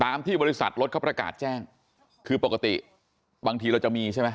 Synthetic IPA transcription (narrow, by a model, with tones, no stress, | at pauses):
t̪aː˧mt̪ʰiː˥˩bɔː˧i˦˥sa̰˨˩t̪̚ɾo˦˥t̪̚kʰːpɾa˧ka̰ː˨˩t̪̚t͡ɕɛː˥˩ŋ | kʰɯː˧po˨˩ka˨˧t̪ḭ˨˩ | baː˧ŋt̪ʰiː˧ɾa˧wt͡ɕa˨˩miː˧t͡ɕʰa˥˩jma˦˥